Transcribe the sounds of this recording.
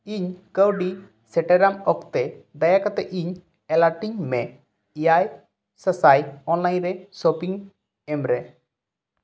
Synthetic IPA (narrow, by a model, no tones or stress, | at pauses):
iɲkəwɖi | sɛʈɛɾamɔkt̪ɛd̪ajakɔt̪ɛʔiɲ | ɛlaɾʈiɲmɛ | ijaj | səsajɔnlajnɾɛsopiŋ | ɛmɾɛ